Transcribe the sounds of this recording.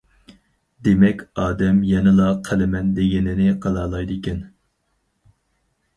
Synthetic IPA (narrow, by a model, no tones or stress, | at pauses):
d̪emɛkʲɑːd̪ɛmjɛnɨlˠɑqʰælɪmɛnd̪eɡʲɪnɪnɪqʰɑlˠɑːlˠɑjd̪ɨkʲʰɛn